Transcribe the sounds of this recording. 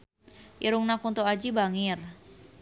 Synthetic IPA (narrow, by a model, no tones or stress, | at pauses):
ʔiɾuŋnakunt̪oad͡ʒibaŋir